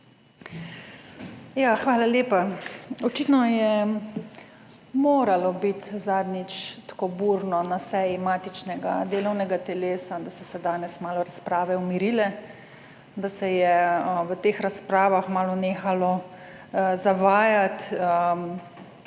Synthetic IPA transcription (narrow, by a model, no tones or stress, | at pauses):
jaxʋaːlaleːpaɔt͡ʃit̪nɔjɛ | moːɾalɔbit̪zaːd̪nit͡ʃt̪ḁkobuːɾnɔnasɛːjimaːt̪it͡ʃnɛɡa̰d̪eːlɔwnɛɡat̪ɛleːsad̪asɔsɛd̪aːnɛsmaːlɔɾaspɾaːʋɛɔmiɾilɛ | d̪asɛjɛʋət̪eːxɾaspɾaːʋaxmaːlɔneːxalɔ | zaʋaːjat̪